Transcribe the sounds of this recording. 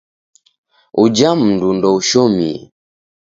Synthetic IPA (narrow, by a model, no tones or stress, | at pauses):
ud͡ʒam̩ndundɔuʃɔmḭ